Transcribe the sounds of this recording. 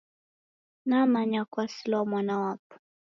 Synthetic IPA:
namaɲakwasilɔmwanawapu̥

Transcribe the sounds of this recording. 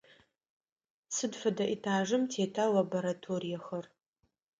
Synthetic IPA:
sɨdfɐdaʔitʰaːʐɨmtʰeːtʰalaboɾatʰorijaxər

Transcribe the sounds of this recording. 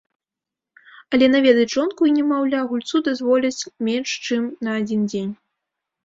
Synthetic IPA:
ɐlʲɛnavʲɛd̪ɐjʐɔnkuinʲɛmawlʲaɣulʲt̪sud̪azvɔlʲɐt͡sʲmʲenʂt͡ʂɨmnɐːd͡zʲind͡zʲenʲ

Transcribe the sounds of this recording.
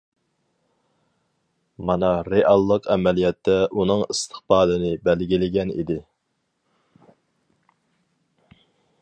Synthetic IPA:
mɑnɑɾeʔɑlˠːəqʰɛmɛlijɛt̪ʰːɛʔunɨŋist̪ʰəχbɑːlɨnɪbælɡʲilɪɡʲɛnḭd̪ɪ

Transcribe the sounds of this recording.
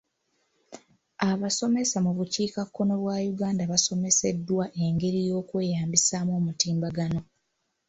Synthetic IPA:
aβaso̞me̞samuβuciːkakːo̞no̞βwajuɡaːndaβaso̞me̞se̞dːwaʔe̞ŋɡe̞ɾijo̞ːkwe̞ːjaːmbisaːmo̞ːmutiːmbaɡano̞

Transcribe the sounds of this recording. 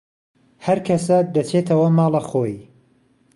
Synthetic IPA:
hɐɾkʰɐsad̪ɐt͡ʃʰet̪ʰɐwɐmɑːlˠɐxoːj

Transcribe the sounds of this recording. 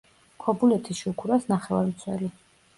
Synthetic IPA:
kʰɔbulɛt̪ʰiʃukʰuɾasnaχɛva̰ɾmt̪sʰwɛ̰li

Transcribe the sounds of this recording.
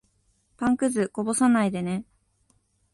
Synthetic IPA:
pãŋkɯ̟zɨko̞bo̞sanaid̪e̞ne

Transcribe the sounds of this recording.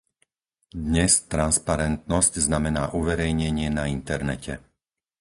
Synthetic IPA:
d̪ɲɛst̪ɾanspaɾɛnt̪nɔscznamɛnaːʔuʋɛɾɛjɲɛɲɪɛnaint̪ɛɾnɛcʰɛ

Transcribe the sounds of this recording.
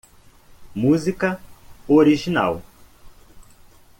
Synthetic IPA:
muzikɐoɾiʒina̰w

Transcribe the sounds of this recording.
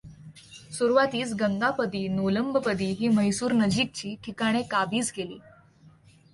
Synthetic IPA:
suɾʋat̪iːt͡sɡəŋɡapəd̪iːnoləmbəpəd̪iːɦiːməjsuːɾnəd͡ʑik̚t͡ɕiːʈʰikaɽ̃ekabiːt͡sɡelḭː

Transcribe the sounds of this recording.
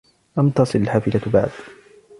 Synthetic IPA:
ʔamt̪ɑsˤɨlalħaːfɪlaba̰ʕd̪

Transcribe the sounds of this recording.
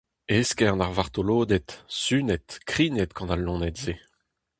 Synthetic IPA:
eskɛɑ̃naʁvaʁt̪oloːd̪ɛt̪synɛt̪kχiːnɛt̪̚ɡɑ̃nalːɔ̃nɛt̪ze

